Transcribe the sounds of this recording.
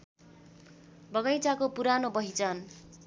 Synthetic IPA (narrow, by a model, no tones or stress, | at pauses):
bʌɡʌjt͡sakopuɾanobʌɦit͡sʌn